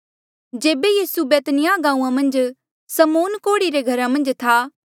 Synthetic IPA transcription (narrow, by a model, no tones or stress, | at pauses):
d͡ʒeːbejiːsubeːt̪nɪjaɡãːũːãmɐ̃nd͡ʒ | sɐmoːnkoːɽiɾeɡʱɐɾamɐ̃nd͡ʒt̪ʰaː